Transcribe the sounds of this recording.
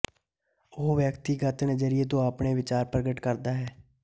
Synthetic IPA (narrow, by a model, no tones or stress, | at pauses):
oːʋjəkt̪iːɡət̪neːzəɾɪeːt̪̬õːaːpɳeːʋɪt͡ʃaːɾpɾəɡəʈkəɾd̪aːɦɛː